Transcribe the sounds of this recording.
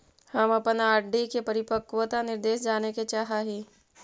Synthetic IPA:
hɐmɐpnaːɾɖikepɐɾɪpəkwət̪anɪɾd̪eːʃd͡ʒaːneket͡ʃaːɦaɦiː

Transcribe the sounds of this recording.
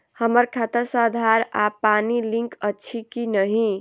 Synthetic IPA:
hʌməɾkʰat̪əsad̪ʱaɾapaniliŋkʌːt͡ʃʰikinʌɦĩ

